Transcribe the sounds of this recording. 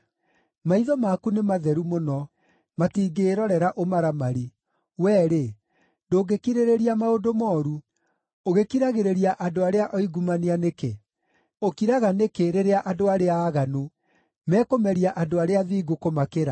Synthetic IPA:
maiðɔmakunemaðɛɾumonɔ | matiːɡeːɾɔɾɛɾaʔomaɾamaɾi | wɛːɾe | doːɡekiɾeɾeɾiamaodomɔːɾu | oɣekiɾaɣeɾeɾiaʔadoaɾeaʔɔiɡumanianeke | okiɾaɣanekeɾeɾeaʔadoaɾeaːɣano | mɛːkomɛɾiaʔadoaɾeaðiːɡokomakeɾa

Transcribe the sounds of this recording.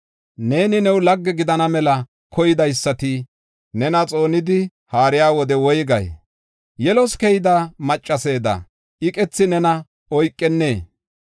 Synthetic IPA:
ne̞ːnɪnɛwlɐɡːɛɡɪd̪ɐnɐmɛlɐ | kʰɔjɪd̪ɐjsːɐt̪ɪ | nɛnɐt͡sʼo̞ːnɪd̪ɪ | haːɾɪjaːwɔd̪ɛwɔjɡɐ̰j | jɛlɔskɛjɪd̪aːmɐt͡ʃʼːɐse̞ːd̪ɐ̰ | ʔɪkʼɛt͡sːɪnɛnɐ | ɔjkʼːɛnːe̞ː

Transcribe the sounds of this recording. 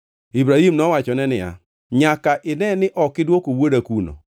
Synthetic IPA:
ibɾahimnɔwat͡ʃɔnɛnɪja̰ | ɲakaʔɪnɛnɪʔɔkɪdwokowodakuno̰

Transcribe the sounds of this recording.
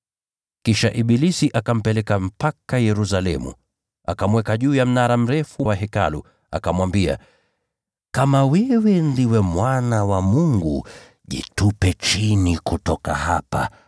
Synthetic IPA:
kkiʃaʔiɓilisiʔakam̩pɛlɛkam̩pakajɛɾus̬alɛ̰mṵ | a̰kamwɛkaʄuːjam̩naɾam̩ɾɛfuwaɦɛka̰lṵ | a̰kamwambia̰ | kamawɛwɛndiwɛmwanawamuŋɡṵ | ʄḭtupɛt͡ʃinikutɔka̰hapa̰

